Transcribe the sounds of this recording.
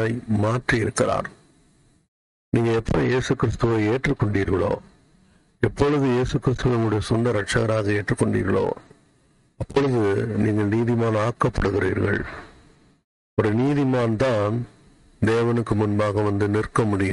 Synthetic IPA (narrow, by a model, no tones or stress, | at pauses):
ɐɪmaːʈriɪɾɯkːɪɾa̰ːɾ | niːŋɡɐɛpːɔɾɔ̃jeːsɯkɪɾɪst̪ɯʋɐɪeːʈrɯkːɔɳɖiːɾɣɐɭo̰ː | ɛpːɔɻɯðɯjeːsɯkːɪɾɪst̪ɯʋɪŋʊɽɐjɐsʊnɖɐɾɐʈʂɐɣɐɾaːɣɐeːʈrɯkːɔɳɖḭːɾɣɐɭo̰ː | ɐpːɔɭɯðɯniːŋɡɐɭniːðɪmaːnaːkːɐpːɐɽɯɣɪɾḭːɾɣɐ̰ɭ | ɔɾɯniːðɪmaːnt̪ãːn | d̪eːʋɐnɯkːɯmʊnbaːɣɐʋɐnd̪ɯnɪrkɐmʊɽɪjɐ